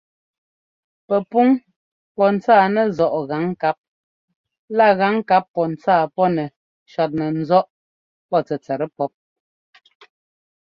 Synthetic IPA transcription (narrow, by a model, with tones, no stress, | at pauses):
pɛ˨pu˦ŋ | pɔ˦n̩˨t͡saː˦˨nɛ˦˨zɔ˨ʔɣa˨˦ŋka˦p̚ | la˦˨ɣa˨˦ŋ˦ka˨˦pːɔ˨n̩˨t͡saː˦˨pɔ˦nɛ˨ | ʃa˨t̬̚nɛ˨n̩˦zɔ˦ʔ | pɔ˦˨t͡sɛ˨t͡sɛ˨ɾɛ˦pɔ˦p̚